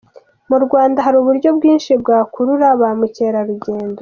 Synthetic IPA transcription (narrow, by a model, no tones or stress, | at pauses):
muɾɡwaːndaɦaɾuːβuɾɟo̞bɡiːnʃib̚ɡaːkuɾuɾaβamuce̞ːɾaɾuɟe̞ːndo